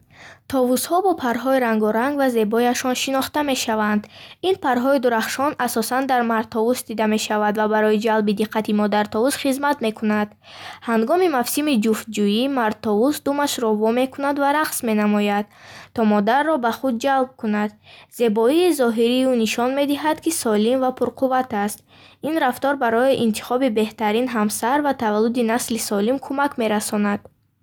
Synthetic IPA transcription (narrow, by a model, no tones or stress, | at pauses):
t̪ʰɔvushɔbɔpʰaɾɦɔiɾaŋɡɔɾaŋɡvaze̞bɔjaʃɔnʃinɔχt̪ame̞ʃavand̪inpʰaɾɦɔid̪uɾaχʃɔnʔasɔsand̪aɾmaɾd̪̚t̪ʰɔvusd̪id̪ame̞ʃavad̪vabaɾɔid͡ʒalbid̪iqʰːat̪ʰimɔd̪aɾt̪ʰɔvusχizmat̪me̞kʰunad̪ | haŋɡɔmimafsimid͡ʒuft̪̚d͡ʒujimaɾ̚t̪ʰɔvusd̪umaʃɾɔvɔme̞kʰunad̪vaɾaqsme̞namɔjad̪̚t̪ʰɔmɔd̪arːɔbaχud̪̚d͡ʒalb̚kunad̪ze̞bɔiːzɔɦiɾiuniʃɔnme̞d̪iɦad̪kisɔlimvapʰuɾqʰuvat̪ast̪̚ | inɾaft̪ɔɾbaɾɔiʔint̪ʰi̥χɔbibe̞ht̪aɾinɦamsaɾvat̪ʰavalːud̪inaslisɔlimkʰumakme̞ɾasɔnad̪̥